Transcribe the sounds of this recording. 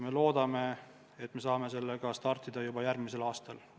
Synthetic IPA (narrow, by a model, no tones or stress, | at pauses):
me̞lo̞ːd̪̥ɑme̞ | et̪ːme̞s̬ɑːme̞se̞lːeɡ̥ɑst̪ɑrt̪ːˑid̪̥ɑjubɑjærɡmise̞lɑːst̪ɑl